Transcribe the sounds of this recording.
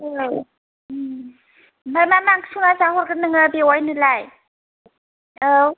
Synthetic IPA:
bajmamaŋsuŋazaɦɔɾɡɯnɯŋɯbiɔjnɯlaj | aw

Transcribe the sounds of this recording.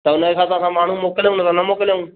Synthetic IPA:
t̪ɐʊnəekʰãːt̪ãsãːmaːɳ̤ũːmoːkɪlj̃nəsãːnɐmoːkɪljũː

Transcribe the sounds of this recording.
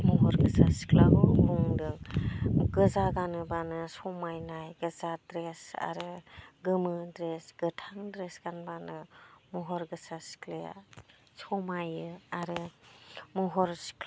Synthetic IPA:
mɔɦɔɾɡɯsasi̥klaɡɔɦuŋdɯŋ | ɡɯzaɡanɯbanɯsɔmajnajɡɯzadɾesa̰ɾɯɡɯmɯdɾesɡ̥ɯtʰaŋdɾesɡ̥anbanɯmɔɦɔɾɡɯsasi̥kleja̰ | sɔmajɯaɾɯ | mɔɦɔɾsi̥kl

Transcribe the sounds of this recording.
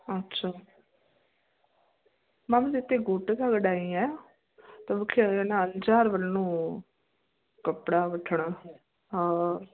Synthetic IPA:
ətːʃʰaː | mãːm̃d̪ɪt̪ːeːɡʊʈk̪aːɡəɖaːiːɛː | t̪ãːʋəkʰːienaənd͡ʒaːɾʋəlnːũː | kəpɽaːʋəʈʰːɳaː | ɦaː

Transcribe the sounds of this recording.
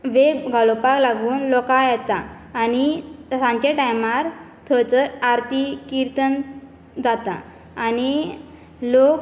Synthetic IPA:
ʋebɡʱalopaklaɡuːnlɔkajɛt̪aːnisãɲt͡ɕeʈajmaɾ | t̪ʰət͡səaɾt̪ikiɾt̪ən | d͡zat̪a̰ː | ni | lok

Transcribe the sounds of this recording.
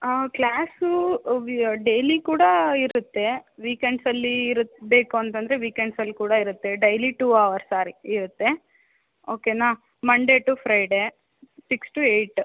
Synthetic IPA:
klaːsuʋɖejlikuːɽɐiɾut̪ːe̞ʋiːkeɳɖsɐlːiɾut̪ːbe̞ːkuɐnt̪ɐnd̪ɐɾeʋiːkeɳɖsɐlːikuːɽɐiɾut̪ːe̞ɖɐjliʈuːɐʋɐɾsːaːɾiiɾut̪ːe̞ | oːkenaː | mɐɳɖe̞ːʈupʰɾɐjɖeː | siksʈueːʈ

